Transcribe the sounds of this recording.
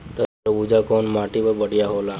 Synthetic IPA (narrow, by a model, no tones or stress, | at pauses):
t̪ə | ud͡ʒakonmaʈibəbəɽijaɦola